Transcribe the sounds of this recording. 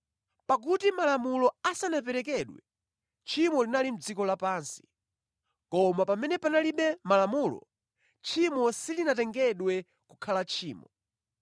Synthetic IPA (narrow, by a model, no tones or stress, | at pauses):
pak̬utimalamulɔasanap̬ɛɾɛk̬ɛɗwɛ | t͡ʃʰimɔlinalim̩d͡zikɔlapaːnsi̥ | kɔmapamɛnɛpanaliɓɛmalamulɔ̰ | t͡ʃʰimɔsilinatɛŋɡɛɗwɛ | kukʰalat͡ʃʰiːmɔ